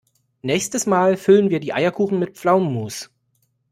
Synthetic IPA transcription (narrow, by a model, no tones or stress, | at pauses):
nɛːçstəsmaːlfʏlənviːɐdiːʔaɪɐkʰuːχn̩mɪt̚pp͡flaʊmːuːs